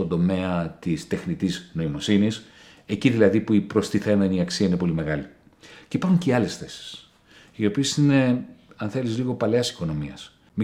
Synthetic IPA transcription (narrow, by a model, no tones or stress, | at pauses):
o̞nd̪o̞me̞ɐt̪ist̪e̞xnit̪izno̞imo̞sinis | e̞ciðilɐðipuipɾo̞st̪iθe̞me̞niɐksiɐinepo̞lime̞ɣɐli | ceipɐɾxuɲceɐle̞sθe̞si̥s | io̞pisisine̞ | ɐnθe̞lizliɣo̞pɐleɐsi̥ko̞no̞miɐ̰s | mi